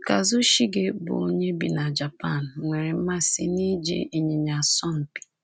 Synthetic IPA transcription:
ka˨zʊ˦ʃi˦ɡe˦bʊ̰˨o˦ɲe˦bḭ˨na˨d͡ʒa˨pa˦˨n̩˨ŋʷe˨ɾe˨m̩˦ma˦si˦ni˦d͡ʒḭ˦i˨ɲe˨ɲa˨sɔ˦m̩˨pi̥˨

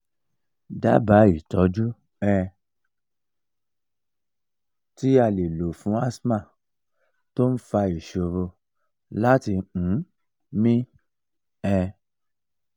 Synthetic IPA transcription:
da̰˦ba˨˦i˦˨tɔ˧˦d͡ʒu˦ | ɛ˧ | ti˦a˧le˨lo˨fũ˨˦a˦smã˦˨ | to˦n̩˦fa˧i˨ʃo˧ɾo˧ | la˦tĩ˧˨˦ | mĩ˦ | ɛ˧

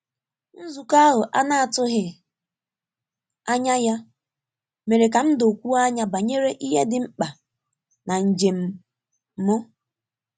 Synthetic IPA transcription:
n̩˦zu˨ka˦ɦʊ˨ʔa˦na˦a˨tʊ˦ɦɪ˨ | a˦ɲa˦ja˦ | me˨ɾe˨k̬a˨m̩˦do˨kʷu˦a˦ɲa˦ba˨ɲe˦ɾe˦ʔi˦ɦe˦dɪ˨ŋ͡m̩˦k͡pa˨ | na˨ɲ̩˨d͡ʒe˨m̩˨˦ | mʊ˦

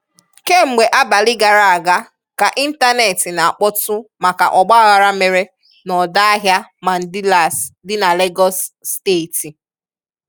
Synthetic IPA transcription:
ke˦ŋ͡m̩˨ɡ͡be˨ʔa˦ba˨lɪ˦ɡa˨ɾa˨a˨ɡa˦ | ka˨ʔi˦n̩˦ta˦ne˨tɪ˨na˨a˨k͡pɔ˦tʊ˦ma˨ka̰˨ʔɔ˨ɡ͡ba˦a˨ɣa˨ɾa˦me˨ɾe˦ | nɔ˨da˦a˦ɦja˦ma˨n̩˨dɪ˦la˨sdɪ˦na˨le˦ɡɔ˦sːte˦˨ti˨

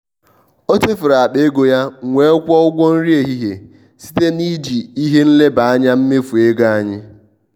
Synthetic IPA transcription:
o˦te˦fʊ˨ɾa˨a˨ɗe˦ɡo˨ja˦ŋʷe˨˦kʷɔ˦ʊ˦ɡʷo˦n̩˦ɾi˦e˨ɦi˦ɦe˨ | si̥˦te˦ni˦d͡ʒi˨i˦ɦe˦n̩˦le˦ba˨a˦ɲa˦m̩˦me˦fu˨e˦ɡa˦a˦ɲɪ˦

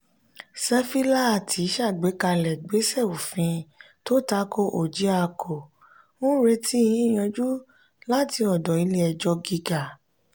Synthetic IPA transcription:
sɛ˦fi˦la˦a˨tʰi˨˦ʃa˦˨ɡ͡be˨˦ka˧lɛ˨ɡ͡be˨˦sɛ˦˨o˨fĩ˧ | to˦ta˨˦ko˦ʔo˨d͡ʒi˨˦a˧kʰo˨ | wũ˦ɾe˧tʰi˦i˧jĩ˦˨j̃ã˧d͡ʒu˦ | la˦ti˧ɔ˨dɔ˨i˧le˧ɛ˧d͡ʒɔ˧ɡi˧ɡa˨

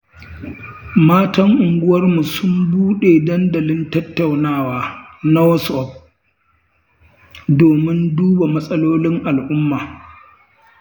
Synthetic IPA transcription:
maː˦tɐ˦ŋʔʊ˨ŋɡʷʊ˦wɐ˦rmu˨sʊ˦mbuː˦ɗeː˨dɐ˦ndɐ˨lɪ˦ntɐ˦tːa˨wnaː˦˨waː˦na˦wɔ˦sʔɔ˦p̚ | doː˨mɪ˦nduː˦ba˨mɐ˦sʼɐ˦loː˦lɪ˦ŋʔa˨lʔʊ˦mːaː˨

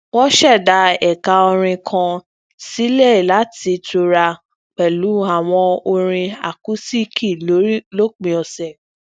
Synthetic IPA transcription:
wɔ˦ʃɛ˦˨da˧˦ɛ˨ka˧ɔ˧ɾ̃ĩ˧kʰã˧ | si˦le˦i˨la˨˦ti˧to˧ɾa˧ | k͡pɛ˨lu˨˦a˦˨w̃ɔ̃˧o˧ɾ̃ĩ˧a̰˨ku˨˦si˦kʰi˦˨lo˦ɾi˦lo˦k͡pĩ˧ɔ˧sɛ˦˨

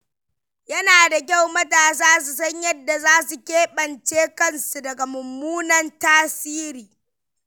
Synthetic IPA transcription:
jɐ˦naː˨da˨k̬ʲa˦˨wmɐ˦taː˨s̬aː˦s̬u˨s̬ɐ˦ɲjɐ˦dːa˨zaː˦su˨kʲeː˦ɓɐ˨nt͡ʃeː˦kɐ˦nsu˨dɐ˨ɡa˨mʊ˨mːuː˦nɐ˦ntaː˦siː˦ɾiː˨

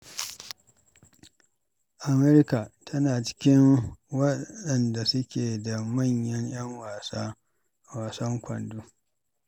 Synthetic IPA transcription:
ʔa˨mɛ˦ɾka˨tʰɐ˦naː˨t͡ʃɪ̥˦kʲɪ˦ŋwɐ˦ɗɐ˨nda˨sʊ˦kʲeː˨da˨mɐ˦˨ɲjɐ˦ɲj̰ɐ˦ŋwa˨sa˦ | waː˨sɐ˦ŋkʷɐ̰˨ndu˦

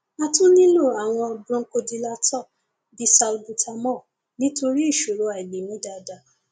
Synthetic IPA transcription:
a˦˧tũ˦nĩ˦lo˦˨a˨w̃ɔ̃˧a˧bɾɔ̃˧ŋ̩˦ko˧di˧la˧tɔ˦˨ | bi˨˦sa˧lbu˧tʰa˧mɔ̃˦˨ | nĩ˦to˧ɾi˦i˦˨ʃo˨ɾo˧a˨i˨ɡ͡bi˨nĩ˨˦da˧da˨

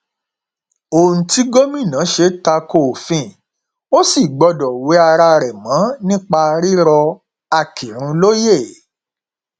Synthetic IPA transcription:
o˨nũ˨ti˦ɡo˦mĩ˦˨nã˨˦ʃe˧˦ta˧ko˨fĩ˦˨ | o˦si˦˨ɡ͡bɔ˧dɔ˨we˨˦a˧ɾa˧ɾɛ˨mã˨˦nĩ˦k͡pa˧ɾi˦ɾɔ˧ | a˧˨kʰi˨ɾ̃ũ˦lo˦je˦˨

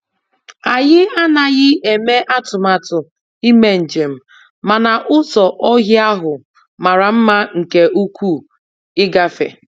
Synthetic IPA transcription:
a˨ɣɪ˦a˦na˨ɣɪ˦e˨me˦ʔa˦tʊ˨ma˨tʊ˨ | i˦me˦˨n̩˨d͡ʒe˨m̩˦˨ | ma˨na˨ʔʊ˦sɔ˨ʔɔ˦ɣɪ˦a˦ɦʊ˨ | ma˨ɾa˨m̩˦ma˦ŋ̩˨ke˨ʔu˦kʷʰu˦˨ | ɪ˦ɡa˦fḛ˨

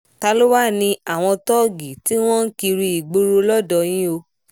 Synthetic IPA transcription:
ta˧lo˦wa˦nĩ˧a˦˨w̃ɔ̃˧tɔ˦ɡi˨ti˦w̃ɔ̃˦n̩˦ki˧ɾi˧i˨ɡ͡bo˦ɾo˧lɔ˦dɔ˨j̃ĩ˦o˧

